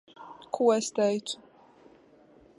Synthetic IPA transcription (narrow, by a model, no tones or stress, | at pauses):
kʰuɛst̪ɛjt̪